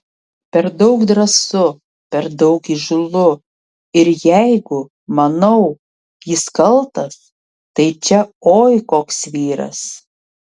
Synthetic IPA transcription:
pʲɛɾd̪ɐʊkd̪ɾɐsʊ | pʲɛɾd̪ɐʊkiʒʊlˠʊ | ɪɾjæɪɡʊ | mɐnɐʊ | jɪskɐlˠt̪ɐs | t̪ɐɪt͡ʃʲɛoːjkoːksʋʲiːɾɐ̰s

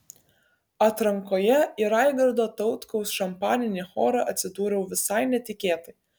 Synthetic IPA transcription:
ɐt̪ɾɐŋkoːjɛiɾɑɪɡɐɾd̪oːt̪ɒʊt̪kɐʊsʃɐmpɑːnʲɪnʲeːxoːɾɑʔɐt̪ʲsʲɪd̪uːɾʲɛʊʋʲɪsɐɪnʲɛt̪ʲɪkʲeːt̪ɐɪ

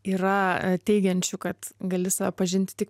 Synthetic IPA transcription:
iːrɐt̪ʲɛɪɡʲɛnʲt͡ʃʲʊkɐt̪ɡɐlʲɪsɐʋʲɛpɐʒʲɪnʲt̪ʲɪ̥t̪ʲɪk

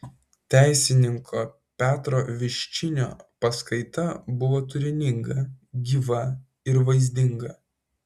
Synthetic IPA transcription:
t̪ʲæˑɪsʲɪnʲɪŋkʰoː | pʲæːt̪ɾoːʋʲɪʃʲt͡ʃʲɪnʲo̰ːpɐskɐɪt̪ɐbʊʋoːt̪ʊɾʲɪnʲɪŋɡɐɡʲiːʋɐ | ɪɾʋɐɪzʲd̪ʲɪŋɡɐ

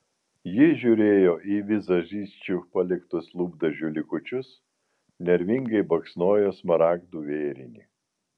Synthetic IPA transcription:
jɪʒʲuːɾʲeːjoːʔiːʋʲɪzɐʒʲiːsʲt͡ʃʲuːpɐlʲɪkt̪ʊslˠuːbd̪ɐʒʲuːlʲɪkʊt͡ʃʲʊs | nʲɛɾʲʋʲɪŋɡɐɪbɐksnoːjoːsmɐɾɑːɡd̪uːʋʲeːɾʲɪnʲḭː

